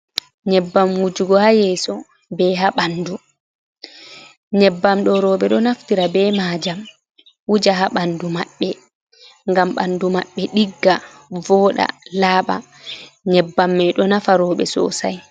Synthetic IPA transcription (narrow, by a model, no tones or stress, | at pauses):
ɲɛbːamwud͡ʒuɡɔhajɛːsɔ | bɛɦaɓandu | ɲɛbːamɗɔɾɔːɓɛɗɔnaftiɾabɛmaːd͡ʒam | wud͡ʒaɦaɓandumaɓːɛ | ŋɡamɓa̰ndumaɓːɛɗiɡːa | vɔːɗa̰laːɓa̰ | ɲɛbːamːɛɗɔnafaɾɔːɓɛ̰sɔ̰sa̰j